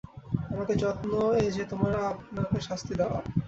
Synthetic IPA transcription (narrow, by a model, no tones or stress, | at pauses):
amaket͡ɕɔt̪noed͡ʑʰet̪omaɾapnakeʃast̪ʰid̪ɛoa̰